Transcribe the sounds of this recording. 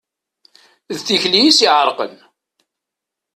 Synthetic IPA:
ðθiçlijisiʕəɾˤqə̰n

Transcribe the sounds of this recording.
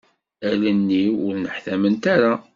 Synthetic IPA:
ælənːiʊɾnəħθæmənt̪aɾa

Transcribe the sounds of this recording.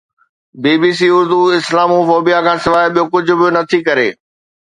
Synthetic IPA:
biːbiːs̬iːʊɾd̪uɪslaːmufoːbijakʰãːsɪʋaːɪɓijokʊd͡ʑʱʊ̆bɪonɐt̪ʰikɐɾḛː

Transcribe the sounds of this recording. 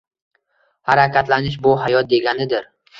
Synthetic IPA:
haɾakʲat̪lanɪʃ̬bʊɦajɒt̪̚d̪e̞ɡʲanɪd̪ɪɾ

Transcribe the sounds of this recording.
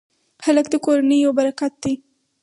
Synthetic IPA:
xaləkd̪əkoɾanəjawbaɾakat̪̚d̪i

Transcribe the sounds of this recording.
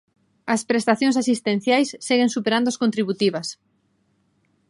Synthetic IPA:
ɐspɾest̪aθjõŋsasist̪ẽn̟θjajsːeɣeŋsupeɾand̪oaskõnt̪ɾiβut̪iβɐs

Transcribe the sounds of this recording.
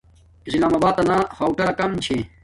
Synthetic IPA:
islaːmaːbaːt̪ɐnahɐːwʈɐkɐmt͡ɕʰe

